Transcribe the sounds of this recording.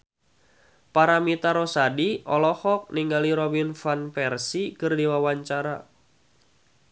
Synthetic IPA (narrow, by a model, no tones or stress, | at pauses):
paɾamit̪aɾosadiʔɔlɔhɔk̚niŋɡaliɾɔbinfanpɛrsikɨrdiwawaɲt͡ʃaɾa